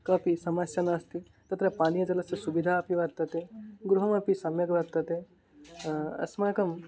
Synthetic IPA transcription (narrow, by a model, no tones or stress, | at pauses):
kɐpisɐmɐsjɐnaːst̪i | t̪ɐt̪ɾɐpaːnijɐd͡ʒɐlɐsjɐsubid̪ʱaɐpiʋɐɾt̪ːɐt̪eɡɾuɦɐmɐpisɐmjɐɡɐʋɐɾt̪ːɐt̪e | ɐ̰smɐɐkɐm